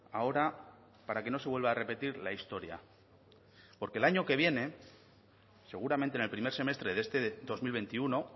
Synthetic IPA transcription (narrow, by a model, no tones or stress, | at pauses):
ao̞ɾa | paɾake̞no̞sewe̞lβaːre̞pe̞t̪iɾlaist̪o̞ɾja̰ | po̞ɾke̞laɲo̞ke̞β̞je̞ne̞ | se̞ɣ̞uɾament̪enelpɾime̞ɾse̞me̞st̪ɾe̞ðe̞st̪e̞ðo̞zmilβ̞e̞nt̪iuno̞